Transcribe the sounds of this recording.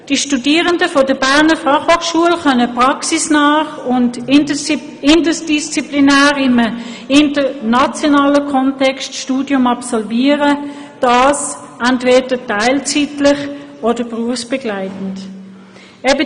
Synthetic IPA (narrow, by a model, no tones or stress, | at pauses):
d̥iʃtudiːʁəndəfɔdəbæʁnəfɑχhoːχʃuəlχœnəpʁɑksisnɑːχʊnt | ɪndəsd̥ist͡siplinæːʁɪmə | ɪntənɑt͡sjɔnɑːləkʰɔntɛkstʃtuːdjʊmɑpsɔlviːəʁə | d̥ɑːs | ɛntveːd̥ətaɪlt͡sitlɪχ | odəbʁuəfsb̥ɛɡlaɪtn̩t | ɛbə